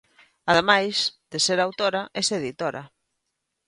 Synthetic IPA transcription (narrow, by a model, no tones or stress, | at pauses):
aðemajsd̪̥eseɾawt̪oɾaʔɛseðit̪oɾa̰